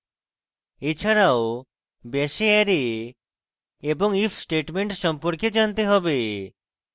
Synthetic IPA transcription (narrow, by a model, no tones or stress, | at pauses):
et͡ʃʰaɾao | bɛseaɾe | ebɔŋipʰsʈeʈmeɳʈʃɔmpɔɾked͡ʒant̪eɦɔbe